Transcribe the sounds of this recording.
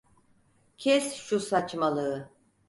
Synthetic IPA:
cʰɛsʃusat͡ʃmalˠɯː

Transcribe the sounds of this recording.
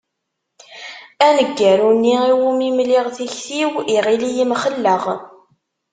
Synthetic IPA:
ænəɡːəɾunːiiwumimliʁθiçθiwiʁilijimχəlːəʁ

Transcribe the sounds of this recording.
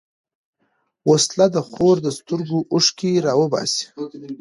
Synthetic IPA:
woslad̪əxoɾd̪əst̪ʊɾɡoʔʊʂkiɾɑwəbɑ̰si̥

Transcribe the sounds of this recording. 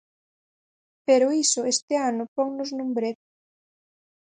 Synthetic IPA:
peɾʊisʊest̪ɪanʊpɔŋnʊznũmbɾet

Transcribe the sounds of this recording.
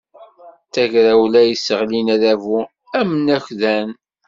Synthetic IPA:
θæʝɾæwlæjisəʁlinæðævu | æmənæçðæn

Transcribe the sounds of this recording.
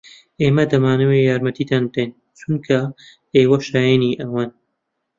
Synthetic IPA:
ʔeːmɐd̪ɐmaːnɨweːjaːɾmɐt̪ʰiːd̪aːnd̪en | t͡ʃʰunkʰɐ | eːwɐʃaːjeniːʔɐwaːn

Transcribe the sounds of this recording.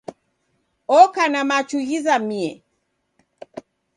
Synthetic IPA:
ɔkanamat͡ʃuɣizamiɛ

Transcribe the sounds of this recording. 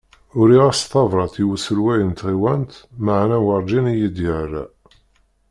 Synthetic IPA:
ʊɾiʁæst̪ɑvɾˤɑt̪iwəsəlwæjənt̪ʁiwænt̪maʕnæwɑɾˤd͡ʒinijəd̪jəra̰

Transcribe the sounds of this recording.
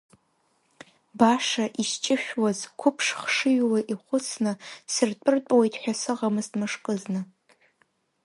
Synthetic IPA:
baʂaʔiʃt͡ʃʼɪʃᶣwazkʷʰʊpʰʂχʂɨɥlaʔiχʷʊt͡sʰnɨsɨrtʷʼɨrt͡pʷʼwejtʰʼħʷᶣasɨʁamɨzmɨʂkʼɨznɨ

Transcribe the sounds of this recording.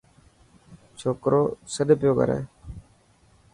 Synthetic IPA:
t͡ʃʰoːkɾoːsəɗpɪjoːɡʱə̰ɾḛː

